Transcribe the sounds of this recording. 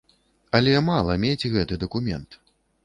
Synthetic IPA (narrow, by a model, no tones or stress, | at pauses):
ɐlʲɛmalˠɐmʲed͡zʲɣɛt̪ɨd̪ɐkumʲɛ̰nt̪